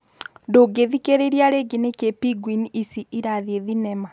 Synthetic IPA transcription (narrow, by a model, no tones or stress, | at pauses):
doːɡeðikeɾeɾiaɾeɡinekepiɡwinisiiɾaðieðinɛma